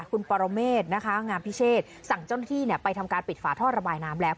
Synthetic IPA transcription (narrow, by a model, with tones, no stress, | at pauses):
kʰu˧npɔː˧ɾo˧meː˥˩t̪̚na˦˥kʰa˦˥ŋaː˧mpʰi˦˥sʰeː˥˩t̪̚sa˨˩ŋt͡ɕa˥˩wna˥t̪ʰiː˥˩ni˥˩pa˧jt̪ʰa˧mkaː˧npi˨˩t̪̚faː˨˦t̪ʰɔː˥˩t̪̚ɾa˧baː˧jnaː˦˥mlɛː˦˥w